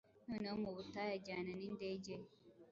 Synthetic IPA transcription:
nunomobutajad͡ʒananinded͡ʒe

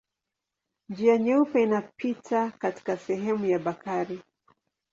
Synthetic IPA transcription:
nd͡ʒiaɲɛupɛinapitʰakati̥kasɛɦɛmujaɓakaɾi

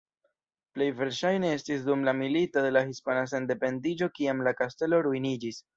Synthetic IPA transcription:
ple̞jve̞ɾʃajne̞e̞stis̬dumlamilitode̞lahispanas̬e̞nde̞pe̞ndid͡ʒo̞kiamlakaste̞lo̞ɾuinid͡ʒis

